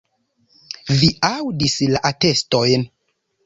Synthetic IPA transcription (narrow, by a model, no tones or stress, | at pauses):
viawdislaʔate̞stojn